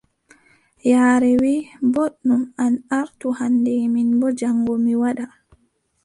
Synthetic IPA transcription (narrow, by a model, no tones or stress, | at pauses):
jaːɾɛwiːboɗːumanaɾtuhanːdɛminbɔd͡ʒaŋɡɔmiwaɗa